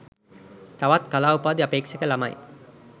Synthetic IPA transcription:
t̪aʋat̪kɐlaːupaːd̪iɐpeːkʂɐkəlama̰j

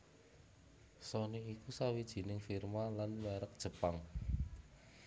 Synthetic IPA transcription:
sɔniikusawid̥ʒ̥i̤nɪŋfirmalanmɛɾək̚d̥ʒ̥ə̤paŋ

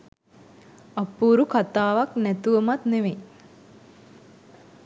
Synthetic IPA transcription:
ɐpːuːɾukat̪aːʋaknæt̪uʋəmat̪neʋe

